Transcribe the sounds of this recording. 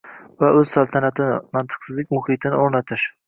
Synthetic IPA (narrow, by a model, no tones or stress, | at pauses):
vaʔɵz̥salˠt̪ʰanat̪ʰɪnɪmant̪ʰɨ̥qsɪzlɪkʲmʊhɪt̪ʰɪnɪoɾnat̪ʰɪʃ